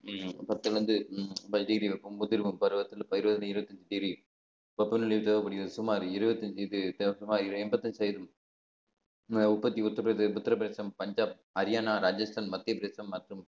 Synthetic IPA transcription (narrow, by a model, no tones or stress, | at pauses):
pɐt̪ːɯlʋɐnd̪ɯpɐʈiːɾiʋɐpːɐmʊðɪɾʋɯmpɐɾɯʋɐt̪ːɯlpɐɪɾɯbɐðɪnɐɪɾɯbɐt̪ːɐɲd͡ʒɯʈiːɡɾi | pɐpːɐnɪɭɐjʋt͡ʃɐɐpɐɽɪjɾɐðsʊmaːɾɪɾɯbɐt̪ːɐɲd͡ʒɐjðɯt̪ɐsʊmaːɾɪɾɛmbɐt̪ːɐɲd͡ʒsɐjðɯm | ʊpːɐt̪ːiʊt̪ːɐɾpɾesɐpʊt̪ːɐɾɐpɪɾeːsɐmpɐɲd͡ʒaːp̚ | ɐɾɪjaːnaːɾaːd͡ʒɐsʈʰaːnmɐt̪ːɪjɐpɾeːsɐmːɐʈrɯm